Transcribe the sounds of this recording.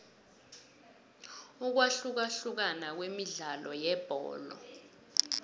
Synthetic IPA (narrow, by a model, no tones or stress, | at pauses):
uk̬waɬuk̬aɬuk̬anak̬wemiɮalɔjɛb̥ʱɔ̰ːlɔ̰